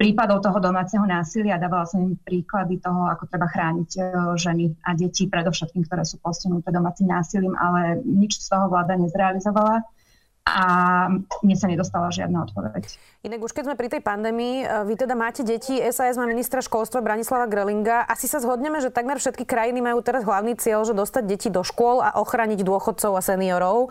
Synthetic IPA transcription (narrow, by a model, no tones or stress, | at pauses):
pɾiːpad̪ɔʊt̪ɔɦɔd̪ɔmaːt͡sɛɦɔnaːsilɪad̪aːʋalasaimpɾiːklad̪it̪ɔɦɔakɔt̪ɾɛbaxɾaːɲiɟʒɛniʔaɟɛcipɾɛd̪ɔʊʃɛt̪̚kiːmkt̪ɔɾɛːsuːpɔsciɦnut̪ɛd̪ɔmaːt͡simnaːsiliːmʔa̰lɛɲit͡ʃst̪ɔɦɔʋlaːd̪aɲɛzɾɛalizɔʋala | ʔa | mɪɛsaɲɛd̪ɔst̪alaʒɪa̰d̪naɔ̰t̪̚pɔʋɛ̰c | ʔinaɡuʃkɛzmɛpɾit̪ɛjpand̪ɛːmiːʋit̪ɛd̪amaːcɛɟɛciɛzaːɛzmaminist̪ɾaʃkɔlst̪ʋabɾaɲislaʋaɡɾɛliŋɡaʔasisazɦɔd̪ɲɛmɛʒɛt̪aɡmɛɾfʃɛt̪̚kikɾajinimajuːt̪ɛɾazɦlaʊniːt͡sɪɛʎʒɛd̪ɔst̪aɟɟɛcid̪ɔʃkʊɔla̰ʔɔxɾaːɲiɟd̪ʊɔxɔt̪̚t͡sɔʊasɛniɔɾɔʊ